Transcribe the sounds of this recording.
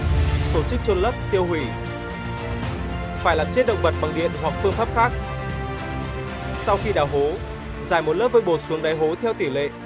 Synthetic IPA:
t̪o˧˩t͡ɕɨ˦˥k̚t͡ɕo˧nlə˦˥p̚t̪i˧əwɦwi˧˩ | faː˧˩jlaː˨˩mt͡ɕe˦˥t̚ɗə̰˧˨wŋ͡mɓə˨˩t̚ɓa˨˩ŋɗḭ˧˨ənɦwa˨˩k̚fɨ˧əŋfaː˦˥p̚xaː˦˥k̚ | sa˧wxi˧ɗaː˨˩wɦo˨˦ | zaː˧˩jmo˨˩t̚ləː˦˥p̚vəː˧˩ɓo˨˩su˨˦əŋɗaː˨˦jɦo˨˦t̪ʰɛ˧wt̪i˧˩lḛ˧˨

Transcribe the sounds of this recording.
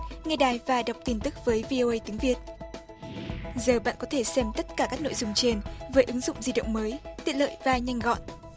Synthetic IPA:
ŋɛ˧ɗaː˨˩jvaː˨˩ɗa˨˩wk͡p̚t̪i˧˩nt̪ɨ˦˥k̚vəː˨˦jvi˧ʔo˧ʔə˧jt̪i˨˦əŋvi˨˩ət̚ | zəː˨˩ɓa̰ː˧˨nkɔ˨˦t̪ʰe˧˩sɛ˧mt̪ə˦˥t̚kaː˧˩kaː˦˥k̚no̰˧˨jzʊ˧˩ŋ͡mt͡ɕe˧nvəː˨˦jʔɨ˨˦ŋzʊ̰˧˨ŋ͡mzi˧ɗə̰˧˨wŋ͡mməː˨˦jt̪ḭ˨ənlə̰ː˧˨jvaː˨˩ɲa˧jŋ̟ɣɔ̰˧˨n

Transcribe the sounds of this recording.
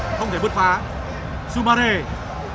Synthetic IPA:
xə˧wŋ͡mt̪ʰe˧˩ɨ˦ət̚faː˨˦ | su˧ɓa˧ɾe˧˩

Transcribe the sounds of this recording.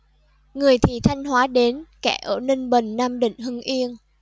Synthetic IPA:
ŋɨ˨˩əjt̪ʰi˨˩t̪ʰa˧jŋ̟hwaː˨˦ɗe˨˦nkɛ˧˩ʔəː˧˩ne˧nɓə˨˩nːaː˧mɗḭ˧˨ŋ̟ɦɨ˧ŋʔi˧ən

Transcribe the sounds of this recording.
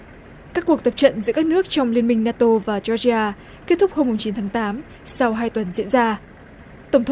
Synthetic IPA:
kaː˦˥kːu˨˩ək̚t̪ə˨˩p̚t͡ɕə̰˧˨nzɨ̰˧˥kaː˦˥k̚nɨ˦˥ək̚t͡ɕɔ˧wŋ͡mli˧ənmï˧ŋ̟naː˧t̪o˧vaː˨˩t͡ɕɔ˧zi˧aː˧ | ke˦˥t̪̚ʰʊ˦˥k͡p̚ho˧mːʊ˨˩ŋ͡mt͡ɕi˨˦nt̪ʰaː˨˦ŋt̪aː˨˦m | sa˧wɦaː˧jt̪wə˨˩nzḭ˧˥ənzaː˧ | t̪ə˧˩wŋ͡mt̪ʰ

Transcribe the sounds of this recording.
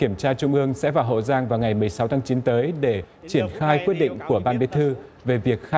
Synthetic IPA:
ki˧˩əmt͡ɕaː˧t͡ɕʊ˧ŋ͡mʔɨ˧əŋsɛ̰˧˥vaː˨˩wɦo̰˧˨zaː˧ŋvaː˨˩wŋa˨˩jmɨ˨˩əjsa˨˦wt̪ʰaː˨˦ŋt͡ɕi˨˦nt̪əː˨˦jɗe˧˩ | t͡ɕi˧˩ənxaː˧jkwi˦˥t̚ɗḭ˧˨ŋ̟ku˧˩əɓaː˧nɓi˨˦t̪ʰɨ˧ve˨˩vi˨˩ək̚xa˧

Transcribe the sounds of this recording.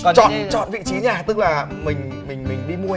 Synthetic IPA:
kɔ˨t͡ɕɔ̰˧˨nt͡ɕɔ̰˧˨nvḭ˧˨t͡ɕi˨˦ɲaː˧˩t̪ɨ˦˥k̚laː˨˩ | mï˨˩ŋ̟mï˨˩ŋ̟mï˨˩ŋ̟ɗḭ˧mu˧ə

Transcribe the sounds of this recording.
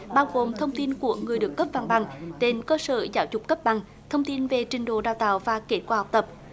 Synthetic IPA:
ɓaː˧wɣo˨˩mt̪ʰə˧wŋ͡mt̪i˧nku˧˩˥əŋɨ˨˩əjɗɨ˨˩əkːə˦˥p̚va˧ŋɓa˨˩ŋt̪e˧˩nkəː˧sə̰ː˧˨zaː˧˦wzʊ˨˩k͡p̚kːə˦˥p̚ɓa˨˩ŋ | t̪ʰə˧wŋ͡mt̪i˧nve˨˩t͡ɕï˨˩ŋ̟ɗo̰˧˨ɗaː˧˨wt̪a̰ː˧˨wvaː˨˩ke˨˦˥t̚kwaː˧ha˨˩wk͡p̚t̪ə˨˩p̚

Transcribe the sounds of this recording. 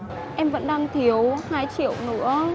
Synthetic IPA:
ʔɛ˧mvə̰˧˥nɗaː˧ŋt̪ʰi˨˦əwhaː˧jt͡ɕḭ˧˨əwnɨ̰˧˥ə

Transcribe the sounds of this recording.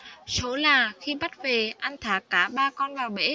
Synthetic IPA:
so˨˦laː˨˩xi˧ɓa˦˥t̚ve˨˩ʔa˧jŋ̟t̪ʰaː˨˩kaː˧˩ɓaː˧kɔ˧nvaː˨˩wɓḛ˧˥

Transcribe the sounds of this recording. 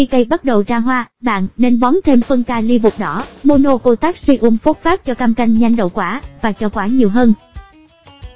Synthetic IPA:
xi˧kə˧jɓə˦˥t̚ɗə˨˩wt͡ɕaː˧ɦwaː˧ɓa̰ː˧˨nːe˧nɓɔ˨˦nt̪ʰe˧mfə˧nkaː˧li˧əmʊ˨˩k͡p̚ɗɔ˧˦mo˧no˧ko˧t̪aː˦˥k̚si˧ʔu˧mfu˦˥t̚faː˦˥p̚t͡ɕɔ˧ka˧mka˧jŋ̟ɲa˧jŋ̟ɗə̰˧˨wkwaː˧˩vaː˨˩t͡ɕɔ˧kwaː˧˩˦ɲi˨˩əwɦəː˧n

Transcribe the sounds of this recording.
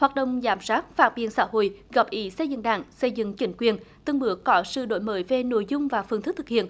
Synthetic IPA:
hwaː˨˩t̚ɗə̰˧˨wŋ͡mzaː˨˦mzaː˦˥t̚faː˧˥t̚ɓḭ˧˨ənsa̰ː˧˥ho̰˧˨jɣa˨˩p̚ʔi˨˦sə˧jzɨ̰˧˨ŋɗa̰ː˧˩ŋsə˧jzɨ̰˧˨ŋt͡ɕï˨˦ŋ̟kwi˨˩ənt̪ɨ˧ŋɓɨ˨˦əkɔ˨˦sɨ̰˧˨ɗo̰˧˨jməː˨˦jve˨˩no̰˧˨jzʊ˧ŋ͡mvaː˨˩fɨ˨˩ŋt̪ʰk̚t̪ʰɨ˨˩k̚hʰḭ˧˨ən

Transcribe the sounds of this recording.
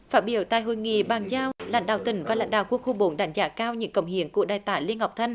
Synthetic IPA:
faː˦˥t̚ɓi˧˩˦əwt̪aː˨jɦo̰˧˨jŋḭ˧˨ɓaː˨˩ŋzaː˧wla̰˧˥ŋ̟ɗa̰ː˧˨wt̪ï˨˩˦ŋ̟vaː˨˩la̰˧˥jŋɗa̰ː˧˨wku˧əŋkxu˧ɓo˨˦nɗaː˧˩ŋza̰ː˧˥kaː˧wɲɨ̰˧˥ŋkə˨˩wŋ͡mhi˨˧˨əŋku˧˩əɗaː˨˩jt̪aː˧˩jli˧ənha˨˩k͡p̚t̪ʰə˧ŋ̟

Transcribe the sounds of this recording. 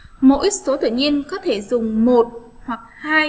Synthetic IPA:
mo̰˧˥ji˦so˨˦t̪ɨ̰˧˨ɲi˧ənkɔ˨˦t̪ʰe˧˩zʊ˨˩ŋ͡mmo˨˩t̚hwa˨˩k̚haː˧j

